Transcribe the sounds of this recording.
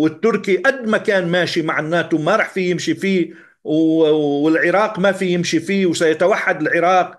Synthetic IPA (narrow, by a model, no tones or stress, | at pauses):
wɪt̪ːʊɾkiʔad̪ːmakaːnmaːʃimaʕɪnːaːt̪umaɾˤɑːħfijɪmʃifiː | wɪlʕɪɾˤɑːqmafijɪmʃifiːwsajat̪awaħːad̪ɪlʕɪɾˤɑːq